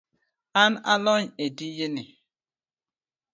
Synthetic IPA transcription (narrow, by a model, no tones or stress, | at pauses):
ana̰lɔɲedijeni